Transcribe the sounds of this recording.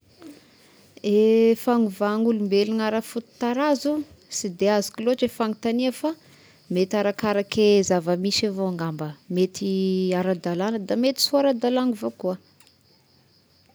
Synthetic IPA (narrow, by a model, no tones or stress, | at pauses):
efaŋuvaŋulumbelinaɾafut̪u̥t̪aɾazu | sid̪eazi̥kiloaʈ͡ʂefaŋit̪aniafa | met̪aɾakaɾakezavəmisavoaŋɡambəmet̪iaɾad̪alanəd̪amet̪i̥suaɾad̪alaŋuvokua